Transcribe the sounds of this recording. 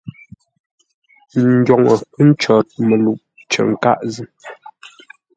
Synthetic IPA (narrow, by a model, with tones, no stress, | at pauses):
ɡɔ˨ŋɔ˨pə˦n̩˦t͡ʃɔ˨t̚mə˨lu˨ʔ̚ | t͡ʃə̰˨ŋ̩˨ka̰˦ʔzə˦˨